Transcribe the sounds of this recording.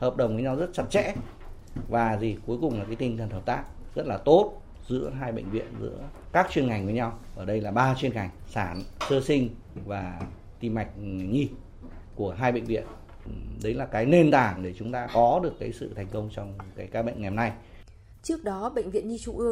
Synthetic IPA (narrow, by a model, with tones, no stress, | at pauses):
həː˨˩p̚ɗə˨˩wŋ͡mvə˨˦jɲa˧wzə˦˥t̚t͡ɕə˧˥t̚t͡ɕɛ̰˧˥ | vaː˨˩zi˨˩ku˨˦jkʊ˨˩ŋ͡mlaː˨˩kaː˨˦jt̪ï˨˩ŋt̪ʰə˨˩nhəː˨˩p̚t̪aː˦˥k̚zə˦˥t̚laː˨˩t̪o˦˥t̚ | zɨ̰˧˥əɦaː˧jɓə̰˧˨ŋ̟vḭ˧˨ənzɨ̰˧˥əkaː˦˥k̚t͡ɕwi˧ənŋa˨˩jŋ̟və˨˦jɲa˧wʔəː˧˩ɗə˧jlaː˨˩ɓaː˧t͡ɕwi˧ənŋa˨˩jŋ̟saː˧˩nsɨ˧sï˧ŋ̟ | vaː˨˩ | t̪i˧ma˨˩jk̟̚ɲi˧ | ku˧˩əɦaː˧jɓə̰˧˨ŋ̟vḭ˧˨ən | ɗə˨˦jlaː˨˩kaː˨˦jne˧nt̪aː˧˩nɗe˧˩t͡ɕʊ˨˦ŋ͡mt̪aː˧kɔ˨˦ɗɨ˨˩əkːaː˨˦jsɨ̰˧˨t̪ʰɛ˨˩jŋ̟kə˧wŋ͡mt͡ɕɔ˧wŋ͡mkaː˨˦jkaː˧ɓə̰˧˨jŋ̟ŋɛ˨˩mna˧j | t͡ɕɨ˦˥ək̚ɗɔ˨˦ɓə̰˧˨ŋ̟vḭ˧˨ənɲi˧t͡ɕu˧˩ʔɨ˧əŋ